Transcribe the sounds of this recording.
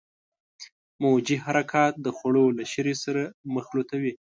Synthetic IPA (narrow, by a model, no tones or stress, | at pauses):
mod͡ʒiɦaɾakʰɑt̪̚d̪əxaɽolaʃəɾesaɾaməxlot̪awi